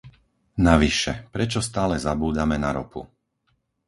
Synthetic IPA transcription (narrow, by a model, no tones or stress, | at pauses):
naʋiʃɛpɾɛt͡ʃɔst̪aːlɛzabuːd̪amɛnaɾɔ̰pṵ